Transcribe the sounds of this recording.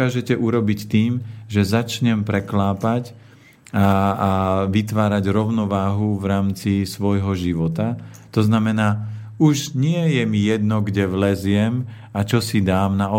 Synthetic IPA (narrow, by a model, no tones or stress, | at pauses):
aːʒɛcɛʔuɾɔbict̪iːmʒɛzat͡ʃɲɛmpɾɛklaːpac | a | ʋit̪ʋaːɾaɟɾɔʊnɔʋaːɦuʋɾaːmt͡sisʋɔjɦɔʒiʋɔt̪at̪ɔznamɛnaː | uʒɲɪɛjɛmijɛd̪nɔɡɟɛʋlɛzɪɛm | at͡ʃɔsid̪aːmnaɔ